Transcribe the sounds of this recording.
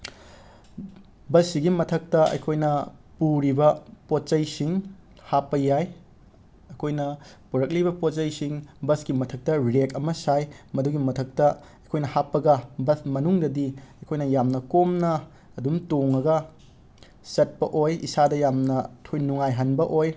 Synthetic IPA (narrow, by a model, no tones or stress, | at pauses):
bɐsːiɡimɐtʰɐk̚tɐɐ̰jkʰojnɐpuɾibɐpot̚t͡ʃɐjsiŋ | hapːɐjaj | ɐjkʰojnɐpuɾɐk̚libɐpot̚t͡ʃɐjsiŋbɐsɡimɐtʰɐk̚tɐɾekɐmɐsajmɐduɡimɐtʰɐk̚tɐ | ɐjkʰojnɐhapːɐɡɐbɐsmɐnuŋdɐdiɐjkʰojnɐjamnɐkomnɐː | dumtoŋɐɡɐ | sɐt̚pɐʔojḭsadɐjamnɐkʰojnuŋajɦɐnbɐʔoj